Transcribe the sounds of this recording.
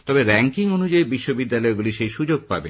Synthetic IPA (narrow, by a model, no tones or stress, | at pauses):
t̪ɔbeɾɛŋkiŋonud͡ʑaibiʃːobid̪ːalɔeɡuliʃejʃud͡ʑoɡ̚pa̰be